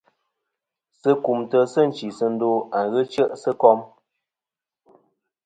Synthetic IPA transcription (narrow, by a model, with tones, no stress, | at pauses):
sə˦ku˨mtə˦sə˦˨n̩˨t͡ʃi˨sə˦n̩˦do˦a˨ɣə˦t͡ʃə˦ʔsə˦kɔ˦m